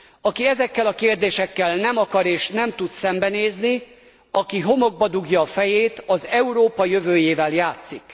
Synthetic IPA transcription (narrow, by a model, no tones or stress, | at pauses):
ɒkiɛzɛkːɛlɒkeːrd̪eːʃɛkːɛlnɛmɒkɒɾeːʃnɛmt̪ut̪sɛmbɛneːzni | ɒkiɦo̞mo̞ɡ̚bɒd̪uɡjɒːfɛjeːt̪ɒzɛuɾoːpɒjø̞vøːjeːvɛljaːt̪sik